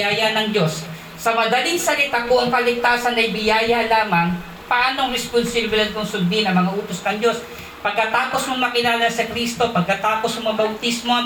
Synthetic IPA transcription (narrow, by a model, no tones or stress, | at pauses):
aːjɐnɐŋd͡ʒo̞sː | ɐmɐd̪ɐlɪŋsɐlɪt̪akʊʔɐŋpɐlɪɡ̚t̪aːsɐnʔɐjbɪjaːjɐlaːmɐŋ | pɐʔaːnoŋɾɛspʊnsɪblɐd̪̚k̪oŋsʊl̚bɪɪnɐŋmɐŋaʔuːt̪osnɐŋd͡ʒo̞s | pɐɡ̚kɐt̪aːposmomɐkɪlaːlɐsɐkɾiːst̪o̞pɐɡ̚kɐt̪aːpo̞smɐbɐwt̪ismo